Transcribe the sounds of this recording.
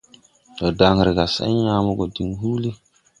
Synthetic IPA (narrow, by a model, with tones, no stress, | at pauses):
ɔ˨da˨ŋ˨ɾɪ˨ɡa˨sɛ̰˦ɲ˦a˦mɔ˦ɡo˨di˨ŋɦuː˦li˦